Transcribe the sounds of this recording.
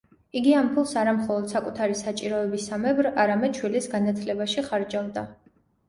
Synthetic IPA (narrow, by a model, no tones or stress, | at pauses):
iɡiampʰulˠsaɾamχɔlˠɔd̪̥sakʼut̪ʰaɾisat͡ʃʼiɾɔɛbisamɛbɾaɾamɛd̪̥ʃʰwilisɡanat̪ʰlɛbaʃiχaɾd͡ʒavd̪a